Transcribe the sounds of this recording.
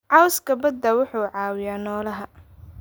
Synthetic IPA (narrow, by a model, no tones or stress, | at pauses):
ʕɑwskʰɐbɐd̪ːɐwʊħuːʕɑːwɪjaːnɔːlɐɦɐ